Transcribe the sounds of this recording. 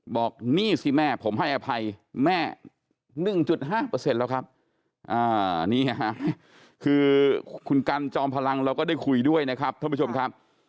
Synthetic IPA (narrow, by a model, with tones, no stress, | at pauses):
bɔː˨˩k̚niː˥˩si˧˩mɛː˥˩pʰo˩˦mɦa˥˩jʔa˨˧˩pʰa˧jmɛː˥˩ | nɯ˨˩ŋt͡ɕu˨˩t̪̚ɦaː˥˩pɤː˧se˧nlɛː˦˥wkʰa˦˥p̚ | ʔaː˧˩niː˥˩a˨˧ɦa˦˥mɛ˦˥˩ | kʰɯː˧kʰu˧nka˧nt͡ɕɔː˧mpʰa˧la˧ŋɾa˧wkɔː˥˩daː˥˩jkʰu˧jdu˥˩əjna˦˥kʰa˦˥p̚t̪ʰːpʰːu˥˩o˧m˧kʰa˦˥p̚